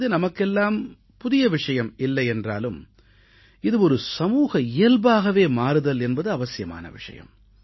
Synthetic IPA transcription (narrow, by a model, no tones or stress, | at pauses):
ðɯnɐmɐkːɛlːaːm | pʊðɪjɐʋɪʂɐjɐmɪlːɐɪɛndra̰ːlɯm | ɪðɯɔɾɯsɐmuːɣɐɪjɐlbaːɣɐʋeːmaːɾɯðɐlɛnbɐðɯɐʋɐsɪjɐma̰ːnɐ̰ʋɪ̰ʂɐ̰jɐ̰m